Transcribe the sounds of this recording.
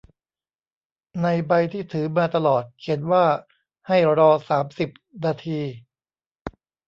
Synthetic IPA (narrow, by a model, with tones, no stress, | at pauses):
na˧jba˧jt̪ʰiː˥˩t̪ʰɯː˩˦maː˧t̪a˧lɔː˨˩t̪̚kʰe˩˦nwaː˥˩ | ha˥˩jɾɔː˧saː˩˦msi˨˩p̚naː˧t̪ʰiː˧